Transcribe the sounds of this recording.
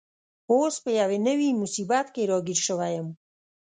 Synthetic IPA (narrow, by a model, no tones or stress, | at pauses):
oːspejavenewiːmusibat̪ʰkeɾɔɡiɾʃəvajəm